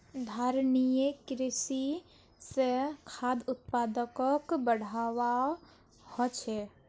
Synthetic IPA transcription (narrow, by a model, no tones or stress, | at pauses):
d̪ʱaɾnijekɾisi | sẽkʰad̪ut̪̚pad̪əkəkbəɽ̤aʋa | hɔt͡ʃʰɛ